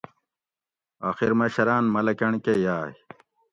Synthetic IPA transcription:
aːxiɾmɐɕɐɾaːnmɐlɐkɐɳkejaːj

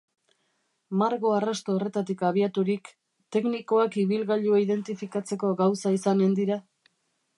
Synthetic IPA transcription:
maɾɣo̞arast̪oːre̞t̪at̪ikaβ̞iat̪uɾik | t̪e̞kniko̞akiβilɣaʎuaiðe̞nt̪ifikat͡se̞ko̞ɡawsaisane̞nd̪iɾa

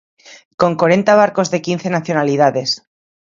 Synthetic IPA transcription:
ko̞ŋkwaɾe̞nt̪aβ̞aɾko̞zðe̞kinθe̞naθjo̞nalið̞aðes

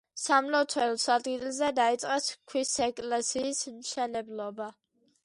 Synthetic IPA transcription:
samlɔt̪ʰwɛlsad̪ɡilzɛd̪ait̪sʼqʼɛskʰwisɛkʼlɛsiːsmʃɛnɛblɔba

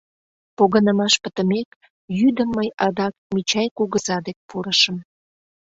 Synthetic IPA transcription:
poɣənəmɑʃpə̥t̪əmek | jyd̪əmːəjɑd̪ɑk̚mit͡ɕɑjkuɣəzɑd̪ek̚puɾəʃəm

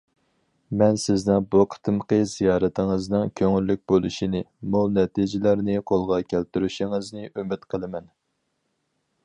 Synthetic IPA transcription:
mɛnsɪznɪŋbuqʰə̥t̪ʰɨmqəz̥ijɑːɾɛt̪ʰɪŋɨznɨŋkʲʰøŋylːyk̚ʲbolˠuʃinɪmulˠnɛt̪ʰid͡ʒɪlæɾnɪqʰolˠʁɑkʲʰælt̪yɾyʃɪŋɨznɪʔymɪt̪qʰəlˠɨmɛn

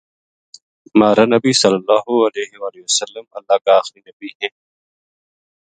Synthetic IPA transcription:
maːɾanɐbisɐlːɐlːaːɦuɐleːɦewaːliwɐsɐlːəmɐlːaːkaːxɾinɐbiɦeː

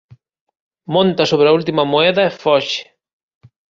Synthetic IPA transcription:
mõnt̪asoβɾault̪imɐmoɛðɐefɔʃe̥

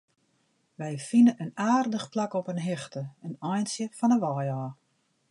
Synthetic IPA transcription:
ʋɛjfinənʔənaːrdəxplakɔpənɦɪxtəənɔjnsjəfɔnəʋɔjɔː

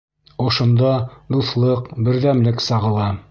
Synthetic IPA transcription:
ŏʃŏnd̪ɑd̪uθlˠɤqbɘ̆ɾðæmlɘksɑʁɤ̆lˠɑ

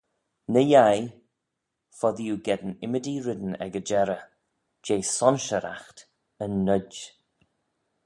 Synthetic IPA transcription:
nəjaj | fɔðijuɡɛd̪ənɪmədiɾɪd̪ənɛ̰ɡəd͡ʒɛɾə | d͡ʒeːsɔnʃəɾʔa̰xt | ənːəd

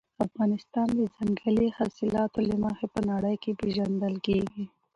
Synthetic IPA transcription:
afɣɑnɪst̪ɑnd̪əzaŋɡəlihɑsɪlɑt̪olɪmaxepənaɽəjkepeʒand̪əlkeɡi

